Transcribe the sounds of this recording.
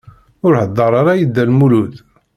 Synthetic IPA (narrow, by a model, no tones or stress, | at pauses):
ʊɾħəd̪ˤːɑɾˤɑɾˤɑjəd̪ːælmulud̪